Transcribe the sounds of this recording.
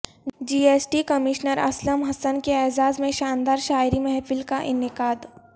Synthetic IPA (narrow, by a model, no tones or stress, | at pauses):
d͡ʒiːeːsʈikɐmɪʃnəɾɐ̰sləmɦɐsənkeɛːzaːzmẽʃaːnd̪aːɾʃaːɪɾimɛɦfɪlkaʔɪnɪqaːd̪